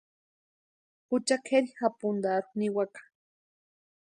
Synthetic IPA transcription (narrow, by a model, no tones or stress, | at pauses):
hʊt͡ʃakʰeɾixapʊnd̪aɾuniwakḁ